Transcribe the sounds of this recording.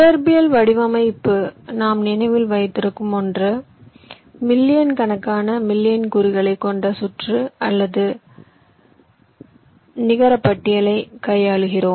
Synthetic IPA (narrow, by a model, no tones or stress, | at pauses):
ɐɾbɪjɐlʋɐɽɪʋɐmɐɪpːɯnaːmnɪnɐɪʋɪlʋɐjt̪ːɪɾɯkːɯmɔndrɯ | mɪlːɪjɐnkɐnɐkːaːnɐmɪlːɪjɐnkʊɾɪɣɐɭɐɪkːɔɳɖɐsʊʈrɯɐlːɐðɯ | nɪɣɐɾɐpːɐʈːɪjɐlɐɪkɐjaːɭɯɣɪroːm